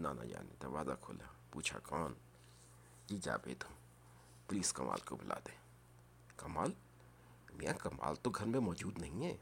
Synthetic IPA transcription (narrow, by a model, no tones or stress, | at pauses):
nana̰d͡ʒa̰ːnḭd̪ɐɾʋaːzakʰoːlapuːt͡ʃʰa̰kaːn | d͡ʒid͡ʒa̰ːbḛːt̪ʊm | pliːskɐmʔa̰ːlkobʊlʔa̰ːd̪ẽː | kɐmaːl | mijakɐma̰ːlt̪oɡʱɐɾmẽmɔːd͡ʒuːd̪nɐɦĩɦɛ